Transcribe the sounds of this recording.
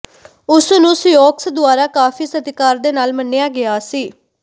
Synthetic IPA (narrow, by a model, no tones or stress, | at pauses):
ʊsnũːsjoːksd̪ʊaːɾaːkaːfʰiːsəd̪ɪkaːɾd̪eːnaːlmənːejaːɡɪaːsiː